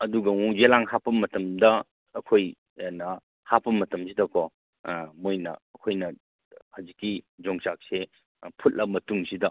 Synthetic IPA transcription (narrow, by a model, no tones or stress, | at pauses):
ɐduɡɐŋuzelaŋhapɐmːɐtɐmdɐː | kʰoj | nɐ | hapɐmɐtɐmsidɐkʰɔ | mojnɐ̰ɐkʰojnɐ | hɐzikːid͡ʒoŋsak̚se | pʰut̚lɐmɐtuŋsidɐ